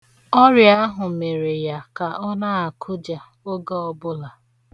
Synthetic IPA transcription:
ɔ˦ɾja˦ɦʊ˨me˨ɾe˨ja˨ka˨ʔɔ˦na˦a˨kʰʊ˦d͡ʒa˨ | o˦ɡa˦ɔ˦bʊ˦la˨

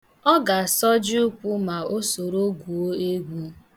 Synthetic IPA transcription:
ɔ˦ɡa˨sɔ˦d͡ʒi˦u˦kʷu˦ma˨o˦so˨ɾo˦ɡu˨o˦e˦ɡʷu˦

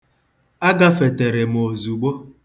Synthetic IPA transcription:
a˦ɡa˦fe˨te˨ɾe˨m˨o˨zu˨ɡ͡bo˦

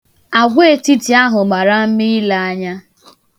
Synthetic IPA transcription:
a˨ɡʷe˦˨ti˦ti˨a˦ɦʊ˨ma˨ɾa˦m̩˦mi˦i˦la˦a˦ɲa˦

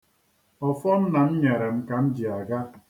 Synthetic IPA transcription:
ɔ˨fɔ˦n̩˦na˨m̩˦ɲe˨ɾe˨m̩˨ka˨n̩˦d͡ʒi˨a˨ɡa˦

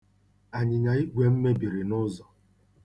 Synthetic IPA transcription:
a˨ɲɪ˨ɲa˨i˦ɡʷe˨m̩˦me˦bi˨ɾɪ˨nʊ˦zɔ˨

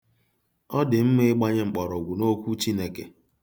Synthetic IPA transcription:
ɔ˦dɪ˨m̩˦me˦ɡ͡ba˦ɲe˦ŋ͡m̩˨k͡pɔ˨ɾɔ˨ɡʷu˨no˦kʷu˦t͡ʃi˦ne˦ke˨

